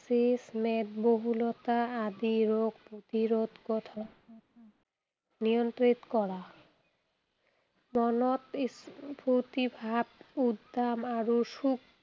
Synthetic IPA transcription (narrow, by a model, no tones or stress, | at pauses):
sismed̪boɦulot̪aad̪iɾoɡ̚pot̪iɾod̪kɔt̪ʰa | nijont̪ɾit̪kɔɽa | mɔnot̪put̪ibʱabud̪ːamaɾoʃuk̚